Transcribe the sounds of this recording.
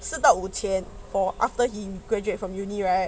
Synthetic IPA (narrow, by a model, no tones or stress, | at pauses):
sɨt̪aʊutʰɛ̃n | fɔʔaftəhiɡ̥ɹɛd͡ʒuetfɹɔ̃mjuniɹaɪ